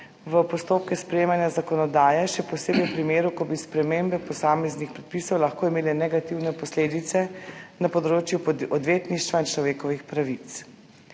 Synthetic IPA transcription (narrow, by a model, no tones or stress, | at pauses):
ʋəpɔst̪oːp̚kɛspɾɛjeːmanjazakɔnɔd̪aːjɛʃɛpɔseːbɛpɾimeːɾukɔbispɾɛmembɛpɔsaːmɛznixpɾɛt̪̚pisɔwlaxkoːimeːlɛnɛɡat̪iwnɛpɔsleːd̪it̪sɛnapɔd̪ɾoːt͡ʃjuɔd̪ʋeːt̪niʃt̪ʋaint͡ʃlɔʋeːkɔʋixpɾaʋit̪s